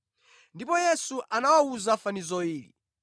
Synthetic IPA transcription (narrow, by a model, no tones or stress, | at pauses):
ndipɔjɛsuʔanawauzafanizɔiːlḭ